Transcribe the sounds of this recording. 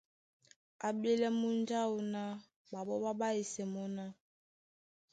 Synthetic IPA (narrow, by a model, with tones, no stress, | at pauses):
a˨be˦lɛ˦mu˦n˦d͡ʒa˦u˨na˦ | ba˨bɔ˦ba˦ba˦e˨sɛ˨mɔ˦na˦